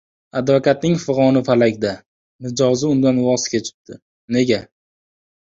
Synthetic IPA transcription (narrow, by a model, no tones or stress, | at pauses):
ad̪vakʰat̪̚nɪŋfɨʁɒnɪfalakʲd̪a | nɪd͡ʒɒzɪʊnd̪anwɒskʲet͡ʃʰɪ̥p̪̚t̪ʰːɪ | ne̞ɡʲa